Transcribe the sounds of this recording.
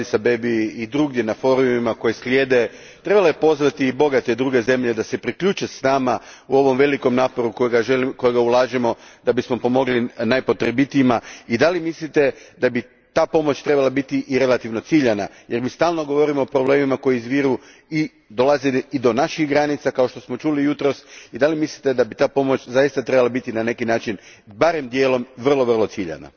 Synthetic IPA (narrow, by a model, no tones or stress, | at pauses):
isabe̞biid̪ɾuɡd̪ʲje̞nafo̞ɾumimako̞jeslʲje̞ːd̪e̞ | t̪ɾe̞balojepo̞zʋat̪iːbo̞ɡat̪ed̪ɾuɡe̞ze̞mʎe̞d̪ase̞pɾikʎut͡ʃesnamauo̞ʋo̞mʋe̞liko̞mnaːpo̞ɾukojeɡaʒelko̞jeɡaulˠaːʒemo̞d̪abismo̞po̞mo̞ɡlinajpo̞t̪ɾebit̪iimaid̪alimislit̪e̞d̪abi | t̪aːpo̞mo̞t͡ʃt̪ɾe̞balabit̪iʔiɾe̞lat̪iʋno̞t̪siʎana̰ | je̞ɾmiːst̪aːlˠno̞ɡo̞ʋo̞ɾimoopɾoble̞ːmimako̞jiizʋiːɾu | i | d̪o̞lˠazeid̪o̞naʃixɡɾanit̪sakao̞ʃt̪o̞smo̞t͡ʃulijut̪ɾo̞sid̪alimislit̪e̞d̪abit̪aːpo̞mo̞t͡ɕzajist̪at̪ɾe̞balabit̪inane̞kinaːt͡ʃin | baɾemd̪je̞ːlo̞mʋər̩lˠo̞ʋərlˠo̞t̪siʎa̰na̰